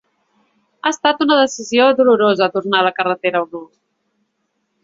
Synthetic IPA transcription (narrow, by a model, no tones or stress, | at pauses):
aəst̪at̪unəðəsizioðuluɾozət̪urnaləkərət̪eɾəɣɾu